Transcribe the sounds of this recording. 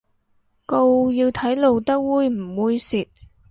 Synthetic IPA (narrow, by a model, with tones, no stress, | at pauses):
ko˧wjiː˧wt̪ʰɐ˨˥jlo˨˧wt̪ɐ˥k̚wuː˥˧jm̩˨˩wuː˧jsiː˨t̚